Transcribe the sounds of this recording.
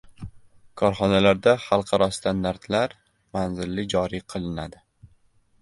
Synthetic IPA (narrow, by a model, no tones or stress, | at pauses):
kʰɒɾχɒnalaɾd̪aχɑlˠqʰɑɾɒst̪ʰand̪aɾt̪laɾ | manzɪlːɪd͡ʒɒɾiqʰɨlˠɪnad̪ɪ